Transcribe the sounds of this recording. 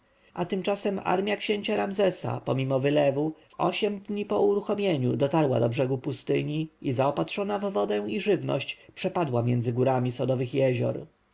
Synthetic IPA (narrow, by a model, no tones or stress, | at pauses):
ʔat̪ɘmt͡ʂasɛma̰ɾmʲjakɕeɲt͡ɕaɾamzɛsa̰pɔmʲimɔvɘlɛvuvɔɕɛmd̪ɲipɔuɾuxɔmʲjeɲud̪ɔt̪aɾwa̰d̪ɔbʐɛɡupust̪ɘɲiizaɔpat̪ʂɔnavːɔd̪ɛ̃iʐɘvnɔ̰ɕt͡ɕpʂɛpad̪wamʲjɛnd̪zɘɡuɾamʲisɔd̪ɔvɘxjɛʑɔ̰ɾ